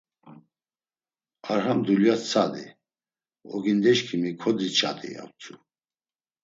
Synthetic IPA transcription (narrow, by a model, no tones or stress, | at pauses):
aɾɦamd̪uljat͡sʰad̪ḭ | ɔ̰ɡind̪ɛʃkʰimikʰɔd̪it͡ʃʰʼa̰d̪ḭa̰wt͡sʰu